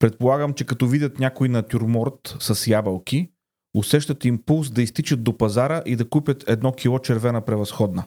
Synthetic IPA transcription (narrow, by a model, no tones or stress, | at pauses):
pɾɛt̪̚polˠaɡəmt͡ʃɛkɐt̪ɔvidʲɐt̪nʲakʊinɐt̪ʲuɾmɔɾt̪sɐsjabɐlˠki | ʊsɛʃt̪ɐt̪impulˠsd̪ɐist̪it͡ʃɐd̪d̪opɐzaɾəʔid̪ɐkupʲət̪ʰɛd̪nɔk̟ʰʲilˠɔt͡ʃɛɾvɛnəpɾɛvɐsxɔd̪nə